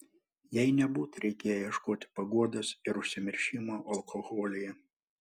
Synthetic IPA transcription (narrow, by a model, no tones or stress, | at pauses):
jɛɪnʲɛbuːt̪ɾʲɛɪkʲeːjjjiɛʃkoːt̪ʲɪ̥pɐɡuɔd̪ɐsɪɾʊʃʲsʲɪmʲɪɾʲʃʲɪmoːʔɐlˠkʰoɣɔːlʲɪjɛ